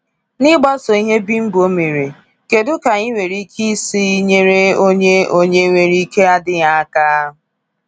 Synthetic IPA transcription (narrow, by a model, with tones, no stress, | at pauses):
nɪ˦ɡ͡bɔ˦so˨i˦ɦe˦bi˦m̩˦bʊ˨o˦me˨ɾe˨ | ke˨dʊ˦ka˨i˦ŋʷe˨ɾi˦kʰi˦si˦i˦ɲe˦ɾe˦o˦ɲe˦o˦ɲe˦ŋʷe˨ɾi˦ke˦a˦dɪ˦ja˦a˦kaː˦